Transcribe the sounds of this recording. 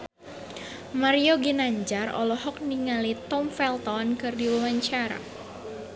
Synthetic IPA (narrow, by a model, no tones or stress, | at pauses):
maɾioɡinaɲd͡ʒarɔ̰lɔɦɔk̚niŋalit̪ɔmfɛlt̪ɔnkɨrdiwawaɲt͡ʃaɾa̰